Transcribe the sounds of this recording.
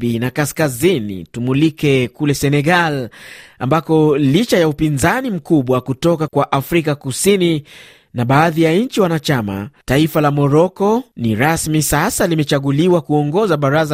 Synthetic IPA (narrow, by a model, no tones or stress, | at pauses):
inakaskazinḭtumulikɛkulɛsɛnɛɡalambakɔlit͡ʃajaupinzanim̩kuɓwakutɔkakwaʔafɾikakusini | naɓaːðijaɲ̩t͡ʃiwanat͡ʃama̰taifalamɔɾɔkɔniɾasmisasalimɛt͡ʃaɠuliwakuɔŋɡɔzaɓaɾaza